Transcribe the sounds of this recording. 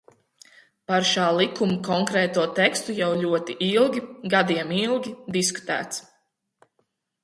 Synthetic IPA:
paɾʃaːlˠikumukɔŋkɾɛːt̪uɔt̪ɛkst̪ujawʎʲuɔt̪iʔilˠɡʲiɡad̪iɛmilˠɡʲid̪isku̥t̪æ̰ːt̪s

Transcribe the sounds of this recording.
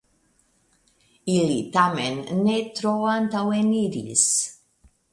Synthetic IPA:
ilit̪amenːet̪ɾoant̪aweniɾḭs

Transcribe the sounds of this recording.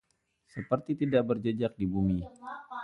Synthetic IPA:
səpərt̪it̪idaʔbərd͡ʒəd͡ʒak̚dibumi

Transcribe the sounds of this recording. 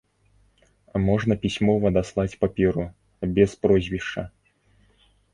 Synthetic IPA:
ɐmɔʐnɐpʲisʲmɔvɐd̪aslˠat͡sʲpapʲɛɾu | bʲɛspɾɔzʲvʲiʂt͡ʂɐ

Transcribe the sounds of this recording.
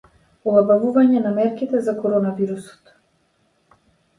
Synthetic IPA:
ɔlˠabavuvaɲɛnamɛɾkit̪ɛzakɔɾɔnaviɾusɔ̥t̪

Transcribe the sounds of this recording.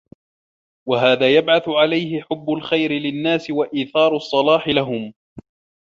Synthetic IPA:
waɦaːðaːjabʕaθʊʕalajhɪħʊbːʊlxajɾɪlɪnːaːsɪwaʔiːθɑːɾˤʊsˤːɑlɑːħɪlaɦʊm

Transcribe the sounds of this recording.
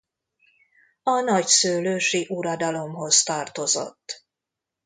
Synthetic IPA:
ɒnɒcsøːløːʃiʔuɾɒd̪ɒlo̞mɦo̞zt̪ɒːrt̪o̞zo̞̰t̪ː

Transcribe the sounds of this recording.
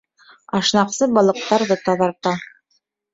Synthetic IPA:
ɑʃnɑqsɤbɑlˠɤ̆q̚t̪ɑɾðɤt̪ɑðɑɾt̪ɑ

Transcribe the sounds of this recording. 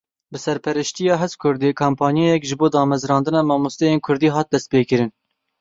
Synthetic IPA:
bɨsɛɾpʰɛɾɨʃt̪ijɑːɦzkʰʊɾd̪eːkʰaːmpʰɑːnjejɛkʒɨboːd̪ɑːmɛzɾɑːnd̪ɨnɑːmɑːmust̪ɛjeːnkʰʊɾd̪iːɦɑːt̪̚d̪ɛst̪̚peːkɨɾɨn

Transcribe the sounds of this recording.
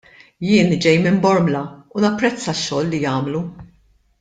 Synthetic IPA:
jɪːnd͡ʒɛjmɪmbɔɾmlɐunɐpːɾɛt͡sːɐʃːɔːlːijɐːmlu

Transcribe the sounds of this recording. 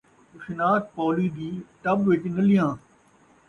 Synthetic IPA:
ʊʃɪnaːt̪̚pɔːliːd̪iːʈɐbʋɪt͡ʃnəlɪjãː

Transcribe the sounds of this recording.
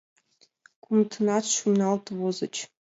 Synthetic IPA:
kumt̪ʰɤnɑt̪ʃumnɑlˠt̪vozɤ̆t͡ɕ

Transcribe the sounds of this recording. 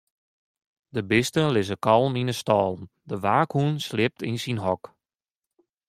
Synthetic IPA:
dəbɪstəlɪzəkɑlˠminəstɔːlˠn | dəʋaːkhunslɪp̚tʰinsinɦɔk

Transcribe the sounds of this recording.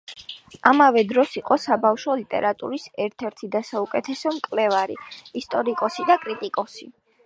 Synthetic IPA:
amavɛd̪ɾɔsiqʼɔsabafʃɔlit̪ʼɛ̰ɾat̪ʼṵɾisɛɾt̪ʰɛɾt̪ʰid̪asaukʼɛt̪ʰɛsɔmkʼlɛvaɾḭist̪ʼɔɾikʼɔsid̪akʼɾit̪ʼikʼɔsi

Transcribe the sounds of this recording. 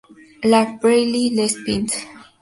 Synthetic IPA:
lakbɹɛlilɛspĩnt

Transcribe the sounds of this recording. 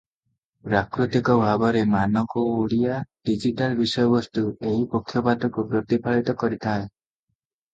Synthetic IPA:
pɾakɾut̪ikɔbʱabɔɾemanɔkɔoɭijaɖ̥id͡ʒiʈalbisɔjɔbɔst̪ueɦipɔkʰːjɔpat̪ɔkupɾɔt̪ipʰaɭit̪ɔkɔɾit̪ʰae

